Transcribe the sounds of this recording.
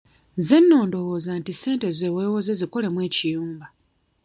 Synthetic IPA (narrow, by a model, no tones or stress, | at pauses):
ze̞nːo̞ːndo̞hozantise̞ːnte̞ze̞ːweːwo̞zeziko̞le̞mweːcijuːmba